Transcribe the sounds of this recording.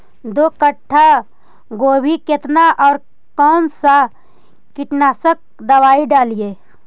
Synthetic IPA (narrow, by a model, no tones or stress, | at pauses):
d̪oːkəʈʰːa | ɡoːbʱiket̪naʔɔːɾ | kɔːnsa | kɪʈnaːsək̚d̪ɐwaːiɖaːlijeː